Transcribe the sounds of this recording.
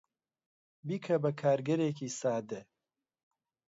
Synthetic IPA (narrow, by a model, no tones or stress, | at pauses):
biːkʰɐbɐkʰaːɾɡɐɾeːkiːsaːd̪e